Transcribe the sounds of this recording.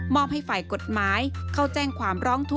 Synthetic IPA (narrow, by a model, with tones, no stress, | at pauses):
mɔː˥˩m̚ha˥˩jfaː˨˩jko˨˩t̪̚maː˩˦jkʰa˥˩wt͡ɕɛː˥˩ŋkʰwaː˨˧˦mɾɔː˦˥ŋt̪ʰu˦˥